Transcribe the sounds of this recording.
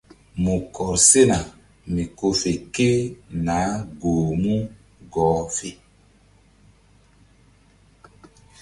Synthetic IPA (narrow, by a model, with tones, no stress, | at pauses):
mu˨kɔ˨se˦na˨ | mĩ˨ko˧fe˨ke˦nã˨˦ɡoː˨mũ˦ | ɡɔː˨˦fe˨